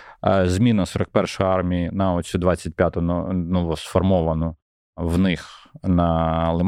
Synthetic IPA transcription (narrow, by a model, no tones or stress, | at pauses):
zmʲinɐsɔɾɐk̚pɛrʃɔjɑrmʲiinɐɔsʲud̪ʋɑt͡sʲːɐt̚ʲpʲjat̪ʊnɔnʊʋɔsfɔrmɔʋɐnɔ | wnɪxnɐlˠɪm